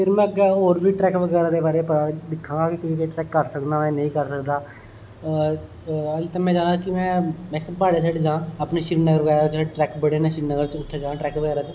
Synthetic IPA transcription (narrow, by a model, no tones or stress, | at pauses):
pʰɪɾmɛ̃ːəɡːɛːoːɾbʱiːʈɾɛːkʋəɡɛːɾaːd̪eːbaːɾeːpəɾad̪ɪkʰːãːɡaːkik̪ːɾeːʈɾɛːkːəɾsəkd̪aːmɛ̃ːnəĩːkəɾsəkd̪aː | əlt̪ãːmɛ̃ːd͡ʒaːnaːkɪmɛ̃ːmɛ̃ːsəbpaːɽeːsʰaːɖed͡ʒãːaːpneːʃɪɾnəɡəɾʋəɡɛːɾat͡ʃʰaɖʈɾɛːkbəɽeːnẽːʃɪɾnəɡəɾt͡ʃʊʈʰːaːd͡ʒãːʈɾɛːkʋəɡɛːɾaːt͡ʃ